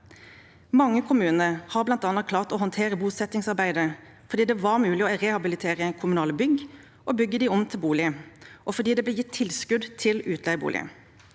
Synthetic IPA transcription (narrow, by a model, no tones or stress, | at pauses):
mɑŋːəkʰʊmʉːnəɾhɑːʁblɑnt̪ɑːnəkʰlɑːʁt̪ɔhɔnt̪ʰeːʁəbuːsɛt̪ɪŋsɑʁbæɪd̪ə | fɔʁd̪iːd̪ɛʋɑʁmʉːlɪɔʁɛhɑbɪlɪt̪ʰeːʁəɛnkʰʊmʉnɑːləbʏɡ | ʔɔbʏɡːəd̪ɪɔmt̪ʰɪlbuːlɪəʔɔfɔʁd̪iːd̪ɛblɛːjɪt̪ʰːɪlskʉd̪t̪ʰɪlʉːt̪ʰlɛɪbṵːlɪ̰ə̰